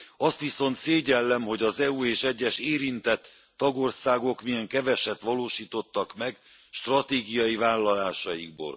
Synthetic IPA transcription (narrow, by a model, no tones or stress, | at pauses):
ɒst̪ʋiso̞nt̪seːɟɛlːɛmɦo̞ɟɒzɛueːʃɛɟːɛʃeːɾint̪ɛt̪ː | ɒɡo̞rsaːɡo̞kmijɛŋkɛvɛʃɛt̪ʋɒloːʃiːt̪o̞t̪ːɒkmɛɡ | ʃt̪rɒt̪eːɡijɒjivaːlːɒlaːʃɒjiɡ̚bo̰ːl